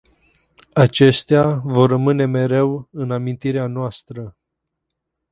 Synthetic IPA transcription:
at͡ʃe̞st̪eavo̞rːəmɨne̞me̞ɾe̞wɨnamint̪iɾeanoast̪ɾə

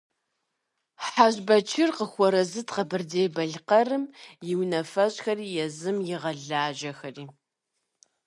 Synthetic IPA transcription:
ħaʑbɐt͡ʃʰɪrqəxʷɔɾɐzɨtʰʼqɐbɨrdeːbɐɮqɐrɨmjɪwnɐfɐɕʼxɐriːjɛzɨmjɪʁɐɮaːʒɐxɐriː

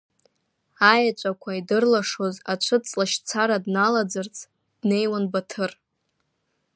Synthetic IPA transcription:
ajat͡ʃʷʼakʷʰaidɨrlaʂo̞zat͡ʃʷʰɨt͡sʼlaʃt͡sʰaɾadnalad͡zɨrt͡sʰʼ | d̥ne̞jwanbatʰɨr

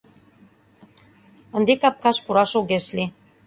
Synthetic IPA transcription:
ŏnd̪ikɑp̚kɑʃpuɾɑʃoɣeʃlʲi

